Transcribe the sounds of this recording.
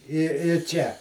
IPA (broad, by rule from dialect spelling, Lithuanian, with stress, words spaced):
ɪ ɪ ˈt͡ʃʲɛ